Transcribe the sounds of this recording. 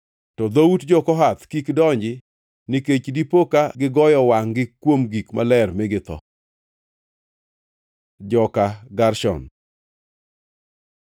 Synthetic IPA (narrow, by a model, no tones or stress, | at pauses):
tɔd̪autd͡ʒɔkɔɦat̪kikdɔɲd͡ʒɪ | niket͡ʃdipokaɡɪɡɔjɔwaŋɡɪkːwomɡikmalɛrmɪɡɪt̪ɔ̰ | d͡ʒɔkaɡarʃɔ̰n